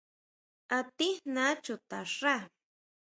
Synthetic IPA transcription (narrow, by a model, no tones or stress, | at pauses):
at̪ɪhnat͡ʃʊt̪aʂɾa